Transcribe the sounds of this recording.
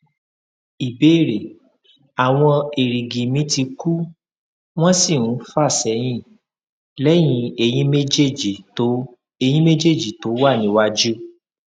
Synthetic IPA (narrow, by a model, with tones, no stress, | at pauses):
i˨be˨˦˨ɾe˨ | a˨w̃ɔ̃˧e˨ɾi˨ɡĩ˨mĩ˨˦ti˧ku˦ | w̃ɔ̃˦si˦˨ũ˨˦fa˦˨sɛ˨˦j̃ĩ˦˨ | lɛ˦j̃ĩ˧˦e˧j̃ĩ˦me˦d͡ʒe˦˨d͡ʒi˨to˨˦ | e˧˨j̃ĩ˦me˦d͡ʒe˦˨d͡ʒi˨to˨˦wa˦˨nĩ˨˦wa˧d͡ʒu˦